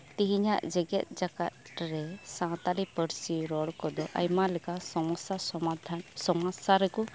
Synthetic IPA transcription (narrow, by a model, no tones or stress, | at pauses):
t̪iɦiɲaʔd͡ʒɛɡɛt̪̚ˀd͡ʒaka̰t̪̚ɾɛsãw̃t̪alipəɾsiɾɔɽkɔd̪ɔʔajmalɛkasɔɔsa | sɔmasaɾɛku